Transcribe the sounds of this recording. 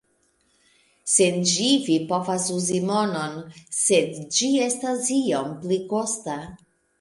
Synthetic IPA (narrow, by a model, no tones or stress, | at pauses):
send͡ʒivipovasuzimo̞no̞nsedd͡ʒiestasiompliko̞sta